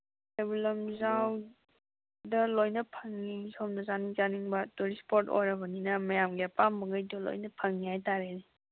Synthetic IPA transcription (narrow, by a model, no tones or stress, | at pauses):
ebulɐmzaw | dɐlojnɐpʰɐŋːisomnɐzaniŋzaniŋbɐtuɾispoɾto̰jɾɐbɐninɐmɐjamɡepamːɐɡajdɐlo̰jnɐpʰɐŋnihajtaɾeni